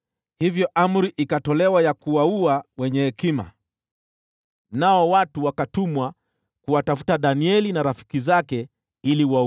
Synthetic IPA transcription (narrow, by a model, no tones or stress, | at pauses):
hivjɔʔam̩ɾiʔikatɔlɛwajakuwauawɛɲɛhɛkima̰ | naɔwatuwakatumwa | kuwatafu̥taɗaniɛlinaɾafi̥kizakɛ | iliwau